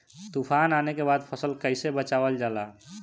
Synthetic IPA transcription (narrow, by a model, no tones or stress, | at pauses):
t̪upʰananekebad̪pʰəsəlkəɪsebət͡ʃabəld͡ʒala